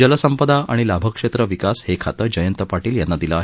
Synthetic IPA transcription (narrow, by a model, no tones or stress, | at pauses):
d͡ʑələsəmpəd̪aʔaɽ̃ilabʱəkʂet̪ɾəʋikashekʰa̰t̪əd͡ʑəjənt̪əpaʈiːljanːad̪iləaɦe